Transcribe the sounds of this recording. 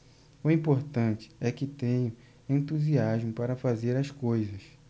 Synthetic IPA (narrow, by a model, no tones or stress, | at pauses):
ʊĩpoɾt̪ɐ̃nt͡ʃɪ̥ɛkɪt̪ẽɲʊ̃ | ẽnt̪uziaʒmʊpaɾɐfazeɾɐskojzɐs